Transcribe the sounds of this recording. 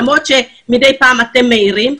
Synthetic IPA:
mot͡ʃe | midejpaːmat̪emːeiɾim

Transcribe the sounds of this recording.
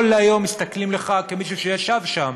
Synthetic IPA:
lːajo̞mist̪aklimleχakemiʃuʃejaʃavʃam

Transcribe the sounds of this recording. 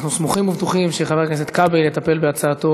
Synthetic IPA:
χnusmuχimuvt̪uχimʃeχaveknes̬et̪kabelːet̪ape̞lbeat͡saːt̪o

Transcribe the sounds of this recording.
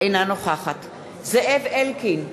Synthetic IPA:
ejnanoχaχat | zeʔevelkin

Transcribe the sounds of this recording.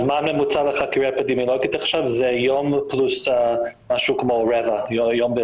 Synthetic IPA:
zmanmɛmut͡saləχakiɾapad̪imɔlɔɡit̪aχʃavzɛjomplus | maʃukmoɹɛvajjombe

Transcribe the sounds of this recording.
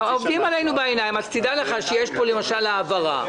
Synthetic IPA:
ovd̪imale̞jnubaenajimat̪t̪id̪aleχaʃejeʃpo̞le̞maʃalaːvaʁa̰

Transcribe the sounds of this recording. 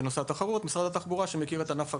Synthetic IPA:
noseat̪aχaʁut̪misʁad̪at̪aχbuʁaʃemekiʁet̪anafa

